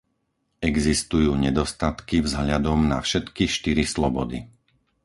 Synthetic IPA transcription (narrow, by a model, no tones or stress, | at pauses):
ɛɡzist̪ujuːɲɛd̪ɔst̪at̪kivzɦʎad̪ɔmna̰fʃɛt̪kiʃt̪iɾislɔbɔd̪ḭ